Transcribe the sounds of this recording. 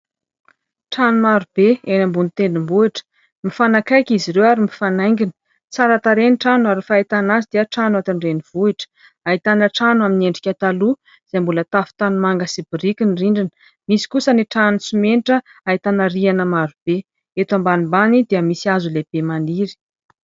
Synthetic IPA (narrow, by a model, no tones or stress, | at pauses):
ʈ͡ʂanumaɾubeenambunit̪enumbuiʈ͡ʂə̥ | mifanakajkʲiziɾewaɾimifanajŋɡʲinə̥ | t͡saɾat̪aɾeniʈ͡ʂanuaɾifait̪anazid̪iəʈ͡ʂanwat̪iɳreniv̥uiʈ͡ʂə̥ | ait̪anəʈ͡ʂanuamineɳɖ͡ʐikʲat̪alu | z̥embulət̪afi̥t̪anumaŋɡəsibiɾikʲiniriɳɖ͡ʐinə̥ | misi̥kusəniʈ͡ʂanusimeniʈ͡ʂə | ait̪anaɾianəmaɾub̥e | et̪ambanimbanid̪eəmisiazuleb̥emaniɾi̥